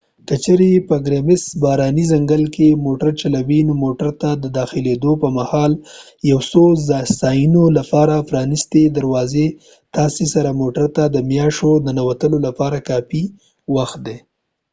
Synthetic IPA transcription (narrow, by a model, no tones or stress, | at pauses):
kət͡ʃeɾepəɡɾemɪsbɑɾɑnizaŋɡəlkemoʈaɾt͡ʃalawinomoʈaɾt̪ad̪əd̪ɑxɪled̪opəmahɑl | jawsozsɑjinolapɑɾapɾɑnɪst̪ed̪aɾwɑze | t̪ɑsesaɾamoʈaɾt̪ad̪əmjɑʃod̪anawat̪əlolapɑɾakɑfi | waxt̪̚d̪e